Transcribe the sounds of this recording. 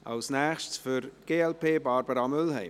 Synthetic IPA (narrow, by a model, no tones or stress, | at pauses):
ɑ̰lsnɛːxʃtsfʏɾɡ̥eːɛlpʰeːbɑɾbəɾamʏlhɛɪ